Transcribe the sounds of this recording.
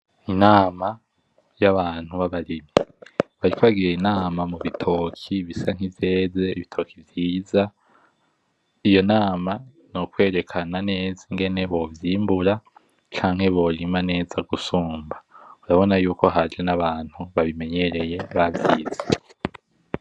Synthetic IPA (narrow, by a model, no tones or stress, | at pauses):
inaːma | jaβaːn̥uβaβaɾimjeβaɾikoβaɡiɾeinaːmamuβitʰo̞kʰiβisaŋ̥ivje̞ːzeiβitʰo̞ːkʰivjiːza | ijo̞naːma | nokwe̞ːɾe̞kʰanane̞ːziŋɡe̞ne̞βo̞vjiːmbuɾa | t͡ʃaːŋhe̞βo̞ɾimane̞ːzaɡusuːmbauɾaβo̞najuːko̞ɦad͡ʒenaβaːn̥huβaβime̞ɲe̞ɾe̞je̞βaviːze̥